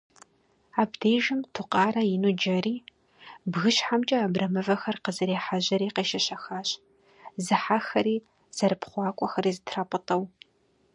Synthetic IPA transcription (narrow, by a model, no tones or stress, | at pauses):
aːbdeːʒɪmtʰuqʼɑːɾɐjɪnud͡ʒɐriː | bɣɨɕħamt͡ʃʼɐaːbrɐmɨvɐxɐrqəzɨɾeːħaʑɐɾiːqeːʃɐɕɐxaːɕ | zɨħaxɐɾiː | z̥ɐɾɨpχʷɑːkʷʼɔxɐɾiːzɨtʰraːpʼətʼɐw